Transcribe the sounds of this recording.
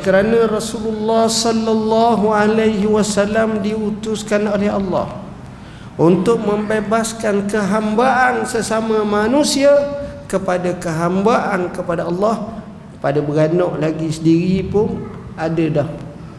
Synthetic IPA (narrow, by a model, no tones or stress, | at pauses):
kəɾanãrɔsululːɑhsɔlːalːɑɦualajɦiwasalamdiut̪ʊskanolɛɦɑ̰lːɑ̰h | unt̪ʊk̚mə̃mbebaskankəɦambaʔansəsamamanũsiakəpadakəɦambaʔankəpadaɑlːɑh | padabəɡanaʔlaɡisədiɾipʊnadadah